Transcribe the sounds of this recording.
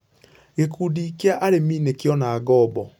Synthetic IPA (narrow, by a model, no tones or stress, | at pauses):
ɣekuːdiːkeaʔaɾemiːnekjɔnaːɡɔbɔ